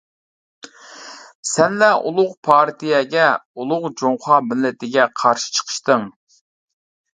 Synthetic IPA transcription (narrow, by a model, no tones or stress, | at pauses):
sɛnlɛʔṵlˠʊqpʰɑɾt̪ijɛɡʲɛulˠʊʁd͡ʒoŋχɑːmɪlːɪt̪ɪɡʲɛqʰɑɾʃi̥t͡ʃʰə̥qʰə̥ʃt̪ɨŋ